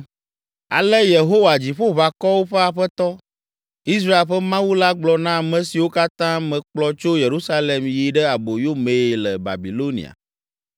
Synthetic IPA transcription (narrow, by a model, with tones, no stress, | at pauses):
a̰˨lɛ˦je˨ɦo˦wa˨d͡ʑi˨ɸo˦βa˨kɔ˦wo˦ɸɛ˦a˨ɸɛ˦t̪ɔ˦ | i˦s̬ɾa˦e˨lɸɛ˦mã˦wu˦la˦ɡ͡blɔ˨nã˦˨mɛ̃˨si˨wo˦ka˦t̪ã˦mɛ̃˨k͡plɔ˦t͡ʃo˦je˨ɾu˦sa˦le˨mji˨ɖɛ˦a˨bo˨jo˦mẽ˨lɛ˨ba̰˨bi˨lo˦nḭ˨a̰˨